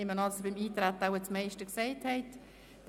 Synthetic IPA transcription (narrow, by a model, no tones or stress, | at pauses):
ɪmənɑlsobɪmiːtɾɛt̪əaʊət͡smɛɪʃtəksɛɪthɛɪt | d̥